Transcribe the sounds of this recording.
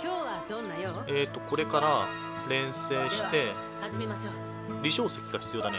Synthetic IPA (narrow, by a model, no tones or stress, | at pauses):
koad̪onːa | et̪ːo̞ko̞ɾe̞kaɾa | ɾẽ̞ɰ̃se̞ːɕi̥t̪e̞ | azemao | ɾʲiɕo̞ːse̞kʲiɡaçi̥t͡sɨjo̞ːd̪ane